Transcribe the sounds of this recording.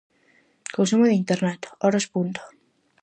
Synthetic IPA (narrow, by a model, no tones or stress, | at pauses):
konsumoðeint̪eɾnat̪oɾospunt̪o̥